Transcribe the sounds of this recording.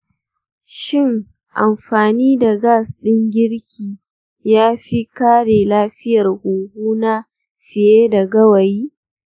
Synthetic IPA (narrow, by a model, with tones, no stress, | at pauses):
ʃɪ˦˨ŋ | ʔa˨mɸaː˨niː˦da˨ɡaː˦˨sɗɪ˦ŋɡʲɪ˦ɽkʲʰiː˨ | jaː˦ɸi˦kaː˦ɽeː˨laː˦ɸɪ˦jɐ˨rhuː˨huː˦na˦ | ɸɪ˨jeː˦da˨ɡɐ˦wɐ˨jiː˦